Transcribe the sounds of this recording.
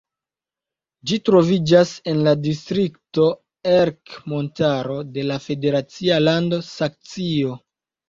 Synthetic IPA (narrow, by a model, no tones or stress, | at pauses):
d͡ʒitɾo̞vid͡ʒase̞nladistɾikto̞ | eɾkmo̞ntaɾo̞de̞lafe̞de̞ɾat͡sialando̞sak̚t͡sio̞